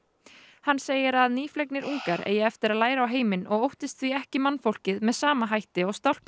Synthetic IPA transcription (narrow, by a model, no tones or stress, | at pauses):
hanːseːjɪɾaðniːflɛjk̚nɪɾʔuŋkaɾḛːjɪɛft̪ɪɾaðlaːjɾaawɦeːjmɪnɔɣowht̪ɪst̪θviɛhcɪmanːfowl̥cɪðmɛðsaːmaɦajht̪ɪɔɣst̪awl̥p̪